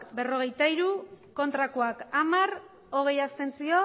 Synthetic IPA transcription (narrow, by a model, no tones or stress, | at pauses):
kbe̞ro̞ɣ̞e̞jt̪aiɾuko̞nt̪ɾakoakamaɾ | o̞ɣ̞e̞jast̪e̞nt͡sio̞